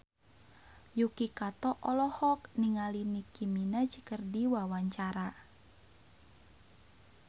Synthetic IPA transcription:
jukikat̪ɔʔɔlɔhɔk̚niŋalinikiminad͡ʒi̥kərdiwawaɲt͡ʃaɾa

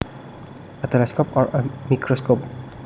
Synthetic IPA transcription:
ət̪ɛlɛskopɔɹəmikɾoskop̚

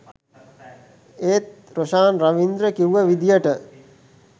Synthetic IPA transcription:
eːt̪ | ɾoʃaːnɾaʋind̪ɾəkiwʋəʋid̪ijəʈə

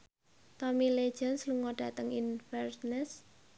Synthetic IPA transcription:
t̪ɔmile̥d͡ʒ̥ənsluŋɔɖ̥ä̤t̪əŋinfɛrnɛs

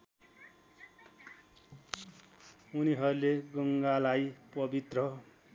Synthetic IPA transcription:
uniɦʌɾuleɡʌŋɡalajpʌbit̪rʌ

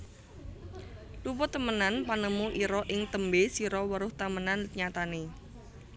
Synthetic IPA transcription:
lupɔt̪əmənanpanəmuʔiɾɔʔɪŋt̪əmbesiɾɔwəɾʊht̪amənanɲat̪ane

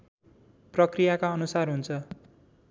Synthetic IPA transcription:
prʌkrijakaʌnusarɦunt͡sʰʌ

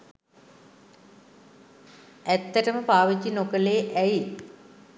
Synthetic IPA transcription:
æt̪ːəʈəməpaːʋid͡ʒinokəleːʔæji

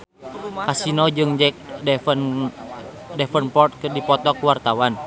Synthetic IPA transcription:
ʔasinɔd͡ʒɨŋd͡ʒɛk̚dɛfn | dɛfənpɔrt̪̚kɨrdipɔt̪ɔkuwart̪awan

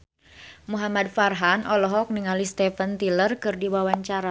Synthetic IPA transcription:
muɦamad̚farɦanʔɔlɔɦɔk̚niŋalist̪ɛfənt̪ilərkɨrdiwawaɲt͡ʃaɾa

